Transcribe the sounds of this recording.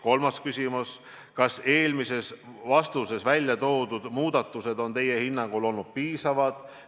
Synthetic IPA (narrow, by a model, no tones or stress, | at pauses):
ko̞lmɑskysʲimus | kɑse̞ːlmise̞svɑst̪use̞svælʲjɑt̪o̞ːd̪̥ud̪̥muːd̪̥ɑt̪ːˑuse̞d̪o̞nt̪e̞jehinːɑŋɡ̥ulo̞lnud̪̥̚piːsɑvɑd̪̥